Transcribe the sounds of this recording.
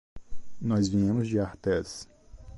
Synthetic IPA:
nɔzvĩẽmʊzd͡ʒɪaɾt̪ɛs

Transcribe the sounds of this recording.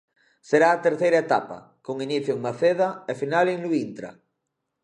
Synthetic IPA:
seɾaːt̪eɾθejɾaet̪apa̰ | koŋiniθjoeŋmaθeðaefinaleŋluint̪ɾa̰

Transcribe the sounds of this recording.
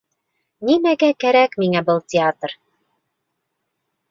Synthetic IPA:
nimæɡækæɾækmiŋæbɤlˠtʲɪat̪r

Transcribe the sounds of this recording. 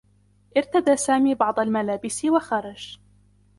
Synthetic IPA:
ʔɪɾt̪ad̪aːsaːmiːbɑʕd̪ˤɑlmalaːbɪsɪwaxɑɾˤɑd͡ʒ

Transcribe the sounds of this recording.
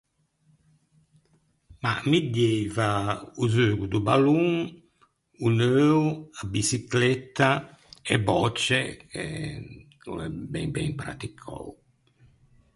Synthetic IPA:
ma̰mid̪jejvauzøːɡud̪ubaluŋ | unøːwabisiklɛt̪ːaɛbɔt͡ʃːɛkɛ̰ | kṵlɛbɛ̰ŋbɛŋpɾa̰t̪ikʰːɔ̰w

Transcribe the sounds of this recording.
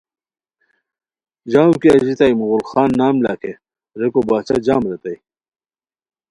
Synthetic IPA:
d͡ʑaːwukiɐʑit̪aːjmuɣulxaːnːaːmla̰ːkʰe | ɾekobaːt͡ɕad͡ʑaːmɾet̪ɐj

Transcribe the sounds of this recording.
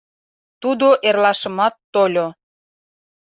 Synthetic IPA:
t̪ud̪oʔerlɑʃə̆mɑt̪ːolʲo

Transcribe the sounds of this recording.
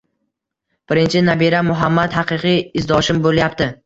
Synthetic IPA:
b̥ɪɾɪnt͡ʃʰɪnabiɾamʊɦamːad̪haqɨqɨjɪzd̪ɒʃɪmboljapt̪ɪ

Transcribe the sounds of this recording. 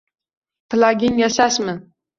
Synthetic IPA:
pʰlˠaɡʲinjasasmɪ

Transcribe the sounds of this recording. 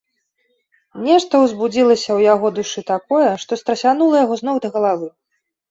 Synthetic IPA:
nʲɛʂt̪ɐwzbud͡zʲilˠɐsʲɐwjaɣɔd̪uʂɨt̪akɔjɛʂt̪ɔst̪ɾɐsʲanulˠɐjaɣɔznɔwd̪ɐɣɐlˠavɨ

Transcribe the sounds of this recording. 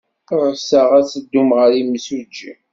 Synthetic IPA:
ɾəsəʁæsəd̪ːumʁəɾimsud͡ʒːi

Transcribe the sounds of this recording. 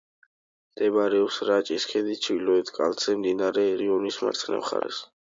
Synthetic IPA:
d̪̥ɛbɾɛɔpsɾat͡ʃʼiskʰɛd̪it͡ʃʰilɔɛt̪ʰkʼa̰lt̪sɛmd̪inaɾɛɾiɔnisma̰ɾt̪sʰnɛ̰mχa̰ɾɛ̰s

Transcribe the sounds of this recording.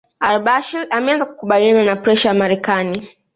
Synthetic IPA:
albaʃiɾamɛanzaku̥kuɓaliananapɾɛʃajamaɾɛkani

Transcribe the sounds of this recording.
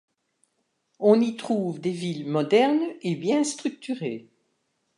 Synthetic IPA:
ɔ̃nit̪χuvd̪evilmɔd̪ɛʁnebjɛ̃st̪χyk̚t̪yʁe

